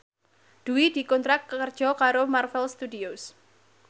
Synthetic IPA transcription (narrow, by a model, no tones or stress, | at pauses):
d̥uwid̥̪i̤kɔnt̪ɾakkəkərd̥ʒ̥ɔ̤kaɾomarfɛlst̪udios